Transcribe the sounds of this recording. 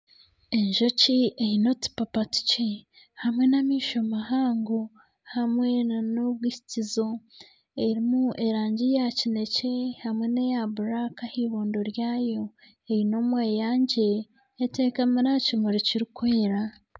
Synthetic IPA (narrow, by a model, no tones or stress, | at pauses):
e̞ɲʒo̞ciejino̞ti̥papatu̥ce | hamwe̞namiːʃomaɦaːŋɡo | hamwe̞noβwiʃi̥tizo̞ | e̞ɾimuʔe̞ɾaːɲɟijacine̞ce̞hamwe̞nejaβuɾakahiβoːndo̞ɾjaːjo̞ | ejino̞mweːjaːɲɟe̞ː | te̞kamiɾacimoɾiciɾikweːɾa